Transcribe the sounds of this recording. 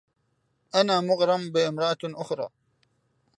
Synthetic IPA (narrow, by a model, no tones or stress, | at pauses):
ʔanaːmʊɣɾˤɑmbɪmɾˤɑʔaʔʊxɾˤɑ̰ː